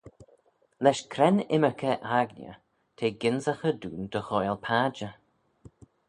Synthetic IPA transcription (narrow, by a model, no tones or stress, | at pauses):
lɛʃkʰɾɛnɪməkʰəʔaɡnjə̰ | t̪ʰeːɡɪnzəxəd̪ṵːnd̪̥əxoːjlpʰaːd͡ʒə